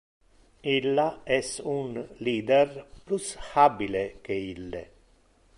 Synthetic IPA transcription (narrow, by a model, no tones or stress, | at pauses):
ilːaɛsunliːd̪erplushabilek̟eilːḛ